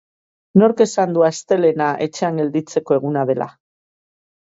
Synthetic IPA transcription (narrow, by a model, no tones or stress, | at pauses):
no̞ɾke̞sand̪uast̪e̞le̞naʔe̞t͡ʃe̞aŋɡe̞ld̪it͡se̞ko̞e̞ɣ̞unað̞e̞lʔa̰